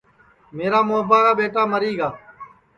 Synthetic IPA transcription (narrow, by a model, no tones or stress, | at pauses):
meːɾaːmoːbaːɾaːɓeːʈaːməɾiːɡaː